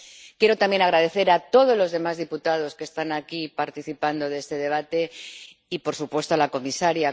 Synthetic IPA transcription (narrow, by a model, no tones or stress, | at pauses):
kje̞ɾo̞t̪amje̞naɣɾað̞e̞θe̞ɾat̪o̞ð̞o̞zlo̞zðe̞mazðiput̪að̞o̞skest̪anakipaɾt̪iθipand̪o̞ðe̞st̪e̞ðe̞β̞at̪e̞ | ipo̞ɾsupwe̞st̪oalako̞misaɾja